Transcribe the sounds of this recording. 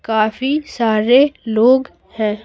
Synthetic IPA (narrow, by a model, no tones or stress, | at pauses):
kaːfisaːɾeloːɡ | hɛ̃ː